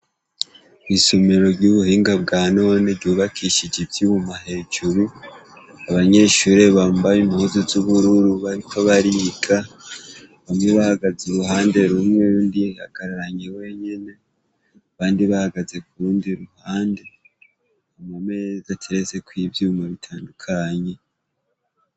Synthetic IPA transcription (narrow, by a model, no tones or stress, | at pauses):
kwisomeɾo̞ɾjuβuhiːŋɡabɡaːno̞ːneɾɟuːβakʰiʃid͡ʒibjumahe̞ːd͡ʒuɾu | aβaɲe̞ʃuɾe̞βaːmbajimhuzuzuβuɾuɾuβaɾikʰo̞βaɾiɡa | βamŋeβahaɡazeɾuɦaːnde̞ɾumŋendiha̰ɡ̥aɾaɾaɲewe̞ɲe̞ne̞ | aβaːndiβahaɡaze̞kuɾuːndiɾuhaːnde̞ | amame̞zatʰeɾeze̞kwivjumaβitʰaːndukʰaɲe̞